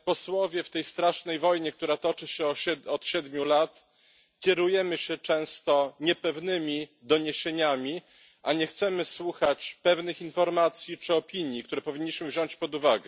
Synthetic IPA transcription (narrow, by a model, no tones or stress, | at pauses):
pɔswɔvʲjɛft̪ɛjst̪ɾaʂnɛjvɔjɲɛk̚t̪uɾat̪ɔt͡ʂɘɕɛɔɛɔt̪ɕɛd̪mʲjulat̪ | kʲjɛɾujɛmɘɕɛt͡ʂɛ̃w̃st̪ɔɲɛpɛvnɘmʲid̪ɔɲeɕeɲamʲi | ʔaɲɛxt̪sɛmɘswuxat͡ɕpɛvnɘxinfɔɾmat̪sʲjit͡ʂɘɔpʲiɲjikt̪uɾɛpɔvʲiɲːiɕmɘvʑɔ̃ɲt͡ɕpɔd̪uvaɡɛ